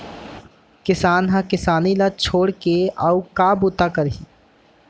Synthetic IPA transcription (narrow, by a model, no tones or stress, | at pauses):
kɪsaːnɦãkɪsaːnilat͡ʃʰoːɽkeaukaːbut̪akəɾɦiː